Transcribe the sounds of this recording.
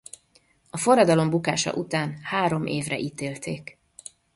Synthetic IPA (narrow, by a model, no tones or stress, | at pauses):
ɒfo̞rːɒd̪ɒlo̞mbukaːʃɒ̰ʔut̪aːnhaːɾo̞mʔeːvrɛ̰ʔiːt̪eːlt̪eːk